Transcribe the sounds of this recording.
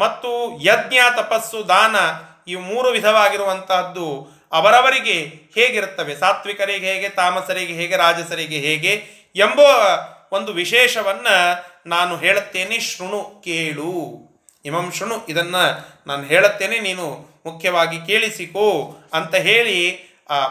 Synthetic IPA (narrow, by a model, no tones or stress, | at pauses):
mɐt̪ːujɐd̪njaːt̪ɐpɐsːud̪aːnɐ | iːʋmuːɾuʋid̪ʱɐʋaːɡiɾuʋɐnt̪ɐd̪ːu | ɐʋɐɾɐʋɐɾiɡe̞heːɡiɾut̪ːɐʋe̞saːt̪ʋikɐɾeɦeːɡet̪aːmɐsɐɾiɡeɦeːɡeɾaːd͡ʒɐsɐɾiɡeɦeːɡe̞ | emboːond̪uʋiʃɛːʃɐʋɐnːɐnaːnuɦeːɭut̪ːeːneʃɾuɳukeːɭu | imɐmʃɾuɳuʔid̪ɐnːɐnaːnuɦeːɭut̪ːeːne̞niːnu | mukʰːjɐʋaːɡikeːɭisikoːɐnt̪ɐɦeːɭi